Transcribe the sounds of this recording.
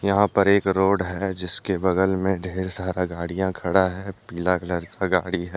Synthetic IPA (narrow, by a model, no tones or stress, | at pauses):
jɐɦãpɐɾeːkɾoːɽɦɛd͡ʒɪskebɐɡəlmẽɖʱeːɾsaːɾaɡaːɽijãkʰɐɽaɦɛːpiːlakləɾkaɡaːɽiɦɛː